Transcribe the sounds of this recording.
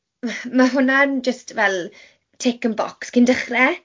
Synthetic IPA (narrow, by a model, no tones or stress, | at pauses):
maɦʊnand͡ʒəstvɛlˠ | tʰekə̃nbɔ̰kskʰɪndəχrɛ